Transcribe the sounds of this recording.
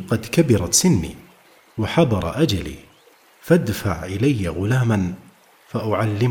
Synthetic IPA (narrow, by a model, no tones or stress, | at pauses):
qɑd̪kabɪɾˤɑt̪sɪnːḭː | waħɑd̪ˤɑɾˤʔad͡ʒalḭː | fad̪fa̰ʕʔɪlajːaɣʊlaːman | faʔʊʕalːɪm